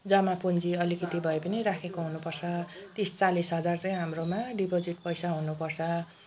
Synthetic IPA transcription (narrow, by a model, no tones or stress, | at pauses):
d͡zʌmapund͡ziʌlikit̪ibʱʌepʌniɾakʰekoɦunupʌrt͡sʰʌt̪ist͡salisɦʌd͡zart͡sʌj̃ɦamromaɖipod͡ziʈ̚pʌjsaɦunupʌrt͡sʰʌ